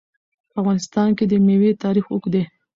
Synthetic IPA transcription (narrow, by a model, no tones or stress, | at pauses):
pafɣɑnɪst̪ɑnked̪əmewet̪ɑɾixʊkd̪e